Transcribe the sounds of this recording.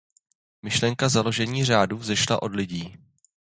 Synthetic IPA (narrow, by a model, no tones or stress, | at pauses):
mɪʃlɛŋkazalo̞ʒɛɲiːr̝aːduːzɛʃla̰ʔo̞dlɪɟiː